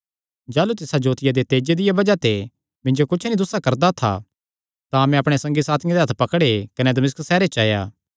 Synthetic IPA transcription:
d͡ʒaːlut̪ɪsad͡ʒoːt̪ɪjad̪et̪eːd͡ʒed̪ɪjabɐd͡ʒat̪e | mɪ̃nd͡ʒokʊt͡ʃʰnid̪ʊsːakɐɾd̪at̪ʰa̰ | t̪ãɐmɛ̃ɐpɽ̃esɐ̃ŋɡisaːt̪ʰɪjãd̪eɦɐt̪ʰpɐkəɽekɐned̪ɐmɪsksɛːɾet͡ʃaːja̰ː

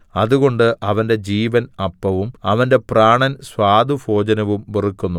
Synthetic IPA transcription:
ɐðuɣo̞ɳɖɨʔɐʋɐnde̞d͡ʑiːʋɐnɐpːɐʋumɐʋɐnde̞praːɳɐnswaːd̪ufʰo̞ːd͡ʑɐnɐʋumʋirikːunːu

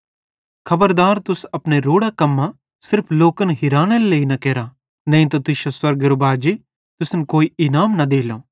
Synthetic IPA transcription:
kʰɐbəɾd̪aːɾt̪ʊsɐpɽ̃eɾoːɽakɐmːã | sɪɾpʰloːkənɦɪɾaːɽ̃əlleːinɐkɛːɾa | nɐ̃ĩt̪̬ɐt̪ʊʃoswɐɾɡəɾobaːd͡ʒi | t̪ʊsnkoːiɪnaːmnɐd̪eːlo

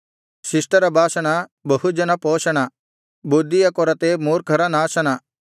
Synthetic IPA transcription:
sɪsʈɐɾɐbʱaːʃɐɽ̃abɐɦud͡ʒɐnɐpɔːʃɐɽ̃a | bud̪ːijɐkɔɾɐt̪emoːɾkʰɐɾɐnaːʃɐɽ̃a

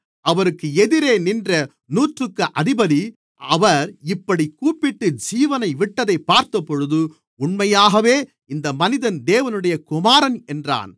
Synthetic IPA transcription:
ɐʋɐɾɯkːɯɛðɪɾeːnɪndrɐ | nuːʈrɯkːɯʔɐðɪbɐði | ɐʋɐɾɪpːɐɽikuːpːɪʈːɯd͡ʒiːʋɐnɐɪʋɪʈːɐðɐɪpːaːɾt̪ɐpːɔɻɯðɯ | ʊɳmɐjaːɣɐʋeː | ɪnd̪ɐmɐnɪðɐnd̪eːʋɐnɯɽɐjɐkʊmaːɾɐnɛndra̰ːn

